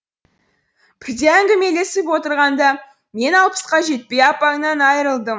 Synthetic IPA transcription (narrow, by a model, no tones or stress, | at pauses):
b̥ɪɾd̪eæŋɡʲɪme̞le̞sɪp̬wo̞t̪əɾʁɑnd̪ɑ | me̞nɑlˠpə̥sqɑʒe̞t̪̚pe̞jɑpɑŋnɑnɑjəɾəlˠd̪əm